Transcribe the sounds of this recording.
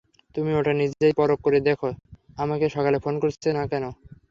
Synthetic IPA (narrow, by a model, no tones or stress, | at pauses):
t̪umioʈanid͡ʑejpɔɾokːoɾed̪ekʰo | amakeʃɔkalefonkoɾt͡ɕʰenakɛno